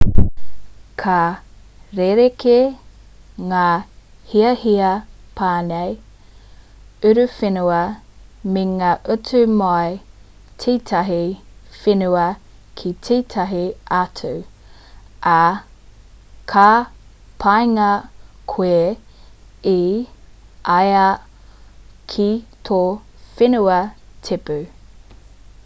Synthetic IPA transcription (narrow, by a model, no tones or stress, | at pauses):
kʰɐ | ɾeɾeke | ŋaː | hiɐhiɐ | pʰaːnej | ʉɾʉfenuɐmeŋaːʔʉtumoj | tʰiːtʰɐɦifinuɐ | kʰitʰiːtʰɐɦiʔatʰʉ | ʔɐ | kʰa | pʰajŋɐkʰe | i | ʔaja | kʰitʰofɪnʉɐtʰepʉ